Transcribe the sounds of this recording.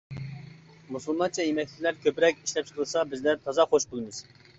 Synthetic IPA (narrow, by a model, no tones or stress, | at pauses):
musulˠmɑnt͡ʃʰɑjemɛkʲlʲɪkʲlæɾkʲʰøpɾɛkʲiʃlɛp̚t͡ʃʰə̥qʰəlˠɨsɑbɪzlæɾt̪ʰɑzɑχoʃbyɡʲɪnɪz̥